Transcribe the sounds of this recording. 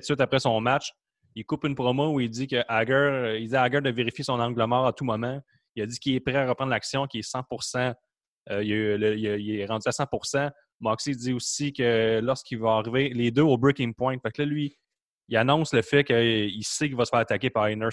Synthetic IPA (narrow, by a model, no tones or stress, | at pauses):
t̪swɪt̪apʁɛsɔ̃ːmat͡ʃ | ilkʊpynpχɔmouilzikʲəʔaɡœʁild͡zziaɡəd̪əveʁifjesɔ̃nɑ̃ɡləmɑːʁat̪umɔmã | iədd͡z̪ikʲilɛpʁɛaʁəpʁɑ̃d̪laksjɔ̃kʲiɛsɑ̃puʁsã | əjəyləiəileʁɑ̃dd͡zyasɑ̃puʁsã | mɑksid͡z̪iusikʲəlɔʁskʲilvaːʁivɪled̪øobɹukʲɪ̃ŋpwɔ̃ɛ̃ɪ̃t̪faklʌlɥi | ianɔ̃sləfɛkʲəilsekilvʌsə̥fɛːʁat̪ak̬ʲepaʁinə˞